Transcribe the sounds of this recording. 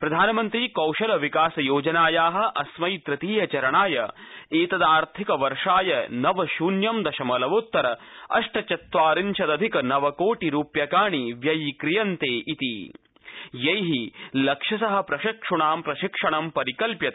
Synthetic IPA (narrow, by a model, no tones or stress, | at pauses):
pɾɐd̪ʱaːnɐmɐnt̪ɾiːkɐwʃɐlɐʋikaːsɐjoːd͡ʒɐnaːjaːɦɐ̆ʔɐsmɐjt̪ɾɐt̪iːjɐt͡ʃɐɾɐɳaːjɐeːt̪ɐd̪aːɾt̪ʰikɐʋɐɾʂaːjɐnɐʋɐʃuːnjɐmd̪ɐʃɐmɐlɐʋut̪ːɐɾɐɐ̰ʂʈɐt͡ʃɐt̪ʋaːɾinʃɐd̪ɐd̪ʱikɐnɐʋɐkoːʈiɾuːpjɐkaːɳiʋjɐjkɾijɐnt̪eːʔit̪ḭ | jɐjɦilɐkʂɐsɐɦɐ̆pɾɐʃɐkʂuɳaːmpɾɐʃikʂɐɳɐmpɐɾikɐlpjɐt̪ɐ